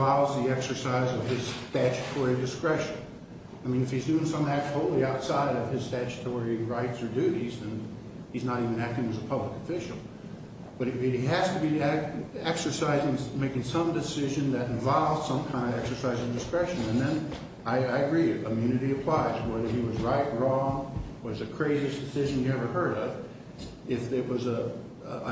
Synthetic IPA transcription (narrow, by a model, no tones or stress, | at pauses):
vɑlˠvzðiɛksə˞saɪzʌv̥ɪz̥stæt͡ʃɨ̥tʰɔɹidɨskɹɛʃɨ̃n | aɪmĩnɨfhizdʉɪ̃ŋsʌ̃mæk̚thoʊlˠiaʊtsaɪɾʌv̥ɨz̥stæt͡ʃɨ̥tʰɔɹiɹaɪtsə˞dʉɾizɨ̃n | iznəɾivɨ̃næk̚tɪ̃ŋɨzəpʰʌbləkəfɪʃl̩ˠ | b̥ʌɾ̚ɨɾiɦæz̥tʰɨbi | ɛksə˞saɪzɪ̃ŋmeɪkɪ̃ŋsʌ̃mdɨsɪʒɨ̃nðɨɾɨ̃ɱvɑlˠvd̥sʌ̃mkʰãɪ̃ndʌvɛksə˞saɪzɨ̃vdɨskɹɛʃɨ̃nɨ̃nðɨ̃n | aɪaɪɨɡɹikʰəmjʉnɨɾiɨpʰl̥aɪzwɛðə˞iwʌzɹaɪt̚ɹɔ̃ŋwʌzɨkʰɹ̥eɪziɨsd̥ɨsɪʒɨ̃njɨɛvə˞hɜ˞ɾʌv | ɪfɨt̚wʌz